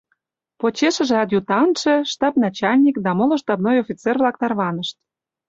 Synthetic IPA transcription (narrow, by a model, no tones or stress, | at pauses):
pot͡ɕeʃə̆ʒĕɑt̪jut̪ɑnʃĕʃt̪ɑpnɑt͡ɕɑlʲnʲikd̪ɑmolŏʃt̪ɑbnojofʲit͡servlɑkt̪ɑrβɑnə̆ʃt̪